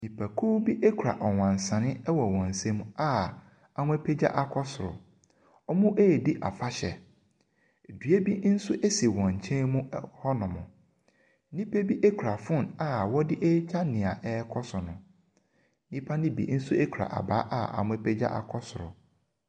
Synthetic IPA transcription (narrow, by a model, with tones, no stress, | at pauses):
nĩ˨pʰa˨kʰuː˦bi˦ʔe˦kʰu˨ɾa̰˨ʔɔ˨wã˨n˨sã˨nɪ̃˦ɛ˦wɔ˨wɔ̃˨n̩˨sɛ̃˦mũ˦a˦˨ | a˨mʊ̃˦e˦pʰe˦d͡ʑa̰˦ʔa˨kʰɔ˦sʊ˨ɾʊ̰˨ | ɔ˦mʊ̃˦ʔe˦˨di˦ʔa̰˨fa˦ɕɛ̰˨ | dɥe˦bi˦n̩˦sʊ˦ʔe˦si˨wɔ̃˨ɲ̩˨t͡ɕʰɛ̃˦mũ˦hɔ˦nʊ̃˨mʊ̰̃˨˦ | nĩ˦pʰe˦bi˦ʔe˦kʰu˨ɾa˨fʊ̃˦˨na˦wɔ˦dɪ˦ʔe˦t͡ɕʰa˦nɪ̃˨a˨ʔɛ˦kʰɔ˦sʊ˨nʊ̃˨˦ | nĩ˦pʰa˦nɪ̃˦bḭ˨˦n̩˦sʊ˦e˦kʰu˨ɾa̰˨ʔa̰˨ba˦ʔa̰˦ʔa̰˨mʊ̃˦e˦pʰe˦d͡ʑa̰˦ʔa̰˨kʰɔ˦sʊ˨ɾʊ̰˨